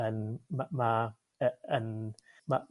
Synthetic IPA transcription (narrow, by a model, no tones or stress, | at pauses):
ənmama | əən | ma